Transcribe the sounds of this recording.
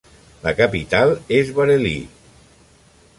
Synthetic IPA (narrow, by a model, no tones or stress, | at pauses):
lakapit̪alˠezβaɾelḭ